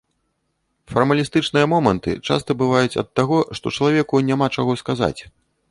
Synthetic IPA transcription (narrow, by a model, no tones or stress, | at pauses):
fɐrmɐlʲist̪ɨt͡ʂnɨjɐmɔmɐnt̪ɨ̰t͡ʂa̰st̪ɐbɨvajut͡sʲɐ̰t̪ːaɣɔʂt̪ɔt͡ʂɐlˠavʲɛkunʲamat͡ʂaɣɔskaza̰t͡sʲ